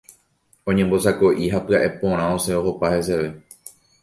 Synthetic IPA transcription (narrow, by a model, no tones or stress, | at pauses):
õ̞ɲẽmbo̞sako̞ʔiɦapɨaʔe̞põ̞ɾ̃ãoseoɦo̞pahe̞s̬e̞ʋe̞